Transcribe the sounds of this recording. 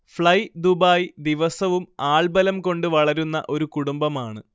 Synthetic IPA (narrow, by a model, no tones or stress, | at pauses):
fɭɐjd̪ubaːjd̪iʋɐsɐʋumaːɭbɐlɐmko̞ɳɖɨʋɐɭɐɾunːɐ̰ʔo̞ɾukuɽumbɐmaːɳɨ